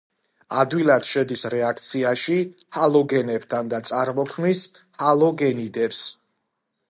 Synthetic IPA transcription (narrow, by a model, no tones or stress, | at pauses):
ad̪wilad̪̥ʃɛd̪isɾɛak̚ʰt̪sʰiaʃihalˠɔɡɛnɛpt̪ʰand̪at̪sʼaɾmɔkʰnis | halˠɔɡɛnid̪ɛps